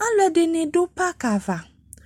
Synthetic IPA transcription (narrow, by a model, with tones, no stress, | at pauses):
a˦lɔ˨dɪ˨nɪ̃˨dʊ˦pa˦ka˨va˨